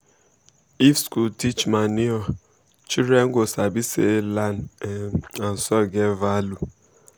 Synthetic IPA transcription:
ifskultit͡ʃmaniɔ | t͡ʃiɾeŋ̩ɡʷosabiselan | an̩sɔɡevalu

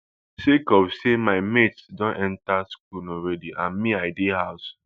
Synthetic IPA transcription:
sekɔfsemaɪmetsdɔ̃nʔɛ̃ntask̚unɔɹɛdiʔãnmiaɪdehaʊs

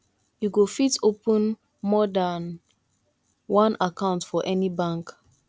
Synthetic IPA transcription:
juɡofitopə̃n | mɔdan | wãnakãʊ̃ntfɔʔɛnibãŋk

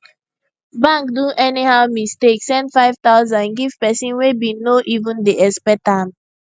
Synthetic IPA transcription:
bãŋkduʔɛnihaʊmisteksːɛ̃ndfaɪv̥t̪aʊzãnɡiv̥pɛsĩnwebinoʔivũndeɛspɛtãm

